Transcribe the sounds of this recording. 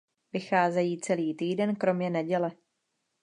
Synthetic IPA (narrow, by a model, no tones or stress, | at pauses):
vɪxaːzɛjiːt͡sɛliːt̪iːdɛnkɾo̞mɲɛnɛɟɛlɛ